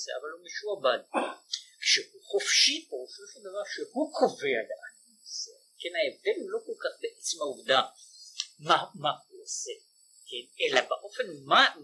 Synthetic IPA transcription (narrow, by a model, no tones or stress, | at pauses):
seavalumiʃuabad | kʃehuχofʃipooʃoʃend̪avaʁʃehukʰove̞aleʔan | ose | kenaevd̪elulo̞kolkaχbeʔet͡semhauvd̪a | mamahuose | kenelabaʔo̞fe̞nma